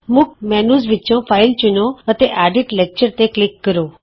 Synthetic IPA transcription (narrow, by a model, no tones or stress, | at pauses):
mʊk̚mɛːnuːzʋɪtːt͡ʃõfʰaːɪlt͡ʃʊnoət̪eʔaːɖɪʈleːk̚t͡ʃəɾt̪eklɪkːəɾoː